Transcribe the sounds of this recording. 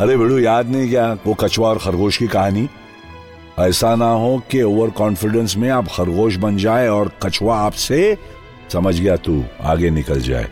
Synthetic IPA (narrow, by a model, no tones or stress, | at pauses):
ɐɾebʱɪɽujaːd̪nɐɦĩkjaːokɐt͡ʃwaɔːɾxɐɾɣoːʃkikɐɦaːni | ɛːsanaɦokeoːʋəɾkɔ̃ːnfɪɖə̃nsmẽaːpxɐɾɣoːʃ̬bɐnd͡ʒaːeɔːɾkɐt͡ʃʋaːpse | sɐməd͡ʒʱɡɐjat̪ṵːa̰ːɡenɪkəld͡ʒa̰ːḛː